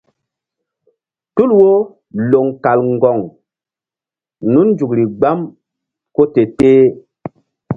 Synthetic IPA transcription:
tu˦lwo˦ | lo˨ŋka˨lŋ˨ɡɔ˨ŋ | nu˦n˦d͡ʒu˨kɾi˨ɡ͡ba˦m | ko˦te˨teː˦

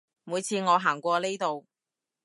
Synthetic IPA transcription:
muː˨˧jt͡sʰiː˨˧ŋɔː˨˧ɦaː˨˩ŋkʷɔː˧le˥jt̪o˨w

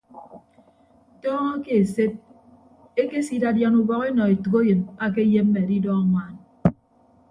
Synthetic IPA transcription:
tɔː˦ŋɔ˦ke˨e˨se˦t̚ | e˦ke˦si˦da˨dja˨nu˨bɔ˦ɣe˦nɔ˨e˨tu˨ko˦je˨ma˦k̬e˦je˦m̩˦me˨di˦dɔ˦a˨ŋʷaː˦n

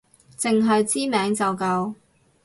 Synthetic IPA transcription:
t͡sɪ˨ŋɦɵ˧ɥt͡siː˥mɛː˨˥ŋt͡sɐ˨wkɐ˧w

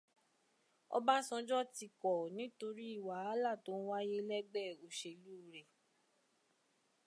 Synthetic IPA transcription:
ɔ̰˧ba˦sɔ̃˧d͡ʒɔ˦ti˧kɔ˨nĩ˨˦to˧ɾi˦i˦˨wa˨˦la˦˨to˨˦ñ̩˦wa˦je˦lɛ˦ɡ͡bɛ˦˨o˨ʃe˧˨lu˦˨ɾe˨

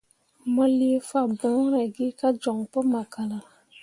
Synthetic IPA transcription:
mɔ˦li˦e˦fa˨bɔ̃˨˦ɾa˨ɡi˦ka˦d͡ʒɔ˨ŋpɔ˦ma˨ka˨la˨

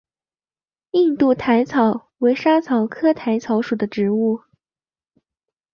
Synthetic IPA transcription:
i˥˧nt̪u˥˩t̪ʰa˧˥ɪt͡sʰɑ˨˩˦ʊ | we˧˥ɪʂa˥t͡sʰɑ˨˩ʊkʰɤ˥t̪ʰa˧˥ɪt͡sʰɑ˧˥ʊʂu˨˩d̪ə˦ʈ͡ʂɻ̩˧˥u˥˩

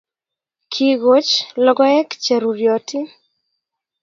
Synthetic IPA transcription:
kʰi˨ɣo˦t͡ʃlɔ˦ɡɔ˦ɛ˦kt͡ʃɛ˨ɾu˨ɾjɔ˨ti˦

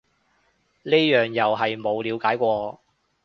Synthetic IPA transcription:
neː˥jœː˨˩ŋjɐ˨wɦɐ˨jmo˨˧wliː˨˧wkaː˨˥jkʷɔː˧

